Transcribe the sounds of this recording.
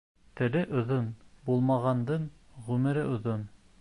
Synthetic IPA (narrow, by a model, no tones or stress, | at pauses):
t̪ɘ̆lɘʔŏðonbulˠmɑʁɑnd̪ɤɴʁʉmɘ̆ɾɘʔŏðon